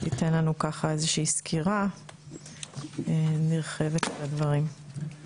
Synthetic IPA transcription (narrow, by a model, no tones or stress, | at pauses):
ite̞nlanukaχae̞zeʃiːskʰiʁa | eniʁχe̞vetetadvɐʁim